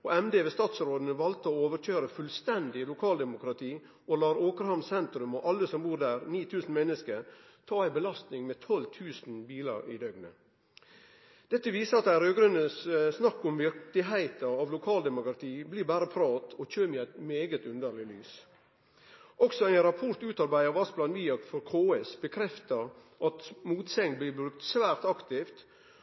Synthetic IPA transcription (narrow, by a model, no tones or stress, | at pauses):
oːɛmd̪eːʋest̪ɑːt̪sɾoːd̪ən̩əʋɑlt̪əoːoːʋəɾt͡ʃøːɾəfʉlst̪ɛnd̪ɪlʊkʰɑːld̪ɛmʊkɾɑt̪ʰiː | olɑːɾoːkəɾhɑmsɛnt̪ɾʉmoʔɑlːəsɔmbuːɾd̪æːɾniːt̪ʰʉːsn̩mɛnːəskəɾ | t̪ʰɑːæɪbəlɑst̪nɪŋmet̪ʰɔlt̪ʰʉːsn̩biːlə̰ɾḭd̪œɡnə̰ | d̪̥ɛt̪ːəʋiːsəɑt̪̚d̪ææɾøːɡɾʉnəssnɑkːʊmʋɪɾt̪ɪɦæɪt̪əɾɑʋlʊkʰɑːld̪ɛmʊkɾɑt̪ʰiːbliːbæːɾəpʰɾɑːt̪ʰɔc͡çøːmɪæɪt̪meːɡət̪ʉnd̪əɾlɪlyːs | ɔksɔæɪɾɑpʰɔɾt̪ʉːt̪ɑɾbæɪəɾʋɑsblɑːnʋiːɑkfɔɾkʰoːɛsbəkʰɾɛft̪əɾ | ʔɑt̪muːt̪sɛŋ̚bliːbʉkt̪sʋæːɾt̪ɑkt̪ɪft̪